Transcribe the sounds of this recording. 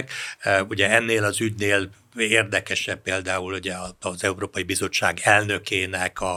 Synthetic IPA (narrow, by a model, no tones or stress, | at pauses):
kuɟɛɛnːeːlɒzyɟneːl | eːrd̪ɛkɛʃɛb̚peːld̪aːuluɟɛɒzɛuɾoːpɒjibizo̞t͡ʃːa̰ːɡɛlnø̞keːnɛkɒ